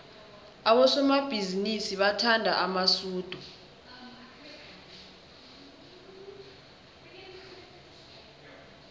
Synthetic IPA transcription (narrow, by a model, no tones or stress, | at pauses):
aɓɔsɔmab̥ʱizinisiɓatʰandʱa̰ʔamasuːd̥ʱu